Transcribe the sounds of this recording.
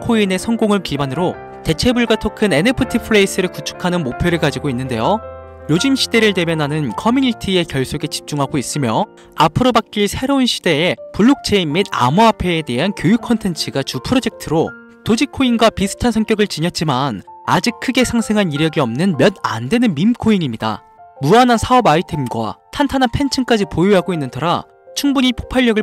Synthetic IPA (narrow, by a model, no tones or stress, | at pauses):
kʰoine̞sʰʌŋɡoŋɯɭkibanɯɾo | te̞t͡ɕʰe̞buɭɡwatʰokʰɯne̞nepʰɯtʰipʰɯɾeis͈ɯɾɯɭkut͡ɕʰu̥kʰanɯnmopʰjeɾɯɭkad͡ʑiɡoinːɯnde̞jo | jod͡ʑimɕʰid̥e̞ɾɯɭte̞bjʌnɦanɯnkʰʌmjunitʰie̞kjʌɭs͈oɡet͡ɕi̥p̚t͡ɕ͈uŋɦaɡois͈ɯmjʌ | apʰɯɾobak̚k͈iɭsʰe̞ɾounɕʰi̥d̥e̞ːpuɭːuk̚t͡ɕʰe̞imːida̰muapʰe̞ːte̞ɦankjojukʰʌntʰe̞nt͡ɕʰɯɡat͡ɕupʰɯɾod͡ʑe̞k̚tʰɯɾo | tod͡ʑikʰːoinɡwapisʰɯ̥tʰansʰʌŋk͈jʌɡɯɭt͡ɕiɲʌt̚t͡ɕ͈imanad͡ʑik̚kʰɯɡe̞sʰaŋsʰe̞ŋɦaniɾjʌɡiʌmnɯnmjʌna̰ndwe̞nɯnmimkʰoiŋimɲida̰ | muanɦansʰaʌbaitʰemɡwa̰tʰantʰanɦanpʰe̞nt͡ɕʰɯnk͈ad͡ʑipojuaɡoinːɯntʰʌɾa | t͡ɕʰuŋbuɲipʰo̥pʰaʎːʌɡɯɭ